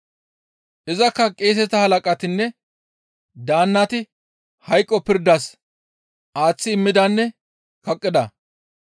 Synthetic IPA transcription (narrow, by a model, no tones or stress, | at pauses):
ʔɪzɐkːɐkʼeːs̬ɛt̪ɐhɐlɐkʼɐt̪ɪnːɛ | d̪aːnːɐt̪ɪ | hɐjkʼːɔpɪɾd̪ɐs | ʔaːt͡sːɪːmːɪd̪ɐnːɛ | kɐkʼːɪd̪ɐ